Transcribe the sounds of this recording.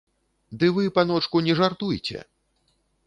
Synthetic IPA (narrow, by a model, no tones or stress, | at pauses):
d̪ɨvɨpanɔt͡ʂkunʲɛʐart̪ujt͡sʲɛ̰